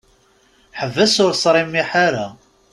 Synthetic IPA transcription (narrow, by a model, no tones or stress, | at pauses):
ħəvːæsʊɾsˤɾˤimːiħaɾa